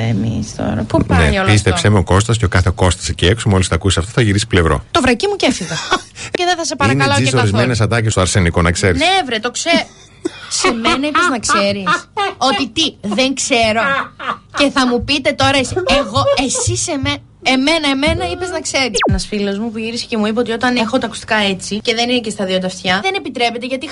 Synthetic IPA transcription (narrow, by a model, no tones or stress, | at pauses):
ḛmḭst̪o̰ɾɐ̰pupneolpist̪esemeoko̞st̪ɐs̬ceokɐθeko̞st̪ɐ̥sceeksomolisθɐkusɐft̪oθɐʝiɾisi̥ple̞vɾo̞̰t̪ovɾɐcimucefiɣɐceðeθɐsepɐɾɐɐloissoɾizmenes̬ɐd̪ɐc̬est̪oɐɾseniko̞nɐkse̞ɾiseevɾet̪o̞kse | semenɐipeznɐksseɾiso̞t̪it̪iðe̞ŋkse̞ɾo̞ce̞θɐmupit̪e̞t̪o̞ɾɐesieɣo̞e̞siseme | e̞me̞nɐeme̞nɐipe̞znɐkse̞ɾisnɐsfilo̞zmupuʝiɾise̥ce̞muip̬ɐot̪io̞t̪ɐne̞xo̞t̪ɐku̥st̪i̥kɐe̞t͡sice̞ðe̞nine̞cest̪ɐðiot̪ɐft̪çɐðene̞pit̪ɾe̞pe̞t̪eʝɐt̪i